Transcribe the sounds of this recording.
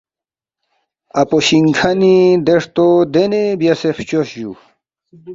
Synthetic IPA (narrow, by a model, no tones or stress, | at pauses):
apoɕiŋkʰanid̪eʂt̪od̪enebjaseft͡ɕoɕd͡ʑṵ